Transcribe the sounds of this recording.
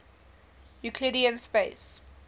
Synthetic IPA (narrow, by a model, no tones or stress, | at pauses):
jukʰliɾiə̃nspeɪs